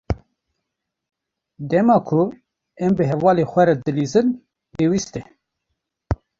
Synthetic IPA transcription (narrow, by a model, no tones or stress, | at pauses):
d̪ɛmɑːkʰʊ | ɛmbɨɦɛvɑːleːxʷɛɾɛd̪ɨliːzɨn | peːwist̪ɛ